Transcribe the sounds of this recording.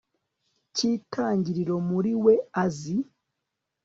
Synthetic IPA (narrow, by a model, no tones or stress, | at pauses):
citʰaːɲɟiɾiɾo̞muɾiwe̞azi